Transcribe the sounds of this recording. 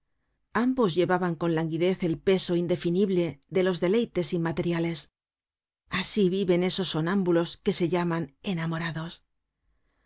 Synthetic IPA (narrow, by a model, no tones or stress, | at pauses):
ambo̞zʝe̞βaβaŋko̞nlaŋɡiðe̞θe̞lpe̞so̞ind̪e̞finiβle̞ðe̞lo̞zðe̞le̞jt̪e̞simat̪e̞ɾjale̞s | asiβiβe̞ne̞so̞sːo̞nãmbulo̞ske̞se̞ʝamane̞namo̞ɾaðo̞s